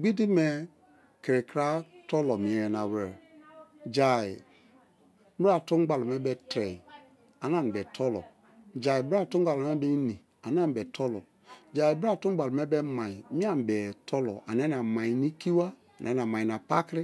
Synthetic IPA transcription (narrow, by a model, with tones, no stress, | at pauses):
ɡ͡bi˦di˦mɛ˨ | kɾi˨kɾa˦tɔ˦lɔ˨mi˨ɛ˨ɛ˨na˨wɛ˨ | d͡ʒa˨i˨˦ | bɾa˨tu˦ɡ͡ba˨lo˨mɛ˦bɛ˦tɾɛ˨i˨ | a˨n˦a˦˨bɛ˨tʰɔ˦lɔ̰˨ | d͡ʒa˨i˨bɾa˦˨tu˦ɡ͡ba˨lo˨mɛ˦bɛ˦ni˨ | a˨n˦a˦˨m˨bɛ˨tʰɔ˦lɔ̰˨ | d͡ʒa˨i˨bɾa˦˨tu˦m˦ɡ͡ba˨lo˨mɛ˦bɛ˦mã˨i˨˦mĩ˦a˦˨m˨bɛ˨tʰɔ˦lɔ̰˨ʔa̰˨nɛ˦a˨mã˨i˨ni˦ki˦wa˦ | a˨nʔɛ˨˦a˨ma˨i˨na˨pa˦kɾi˦